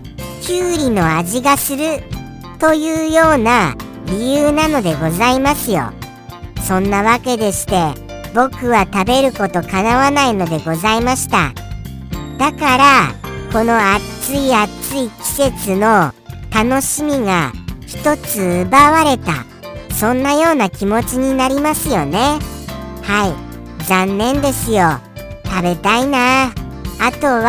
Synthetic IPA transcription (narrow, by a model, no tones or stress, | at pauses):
kʲɨːɾʲino̞aʑiɡasɨɾɯ̟ | t̪o̞jɯ̟ːjo̞ːna | ɾʲijɯːnano̞d̪e̞ɡo̞zaimasɨjo̞̰ | sõ̞nːaβake̞d̪e̞ɕi̥t̪e̞ | bo̞kɯ̟βat̪abe̞ɾɯ̟ko̞t̪o̞kanaβanaino̞d̪e̞ɡo̞zaimaɕi̥t̪a̰ | d̪̥akaɾako̞no̞at͡sɨiat͡sɨikʲi̥se̞t͡sɨno̞t̪ano̞ɕimʲiɡa̰çi̥t̪o̞t͡sɨːbaβaɾe̞t̪a̰ | sõ̞nːajo̞ːnakʲimo̞t͡ɕiɲ̟inaɾʲimasɨjo̞ne̞ | hai | zãnːẽ̞nd̪e̞sɨjo̞ | t̪abe̞t̪ainaː | t̪o̞β